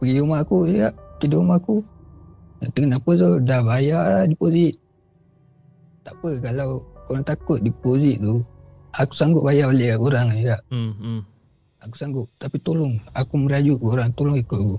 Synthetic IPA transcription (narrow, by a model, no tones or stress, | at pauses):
pəɡiumaʔkuiɡaʔt̪idoumaʔku | t̪əŋənapət̪odabajadipoziʔ | t̪aʔpəkalawkoɾaŋt̪akʊt̪̚dipoziʔt̪u | aku̥saŋɡʊʔ̚bajabaleʔkakuɾaŋiɡaʔ | aku̥saŋɡʊʔt̪apit̪olʊŋakuməɾad͡ʒuʔkuoɾaŋt̪olʊŋikʊʔ̪̚ku